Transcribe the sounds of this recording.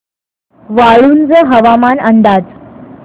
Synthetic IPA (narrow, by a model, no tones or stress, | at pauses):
ʋaɭuːnd͡zəɦəʋamanənd̪ad͡z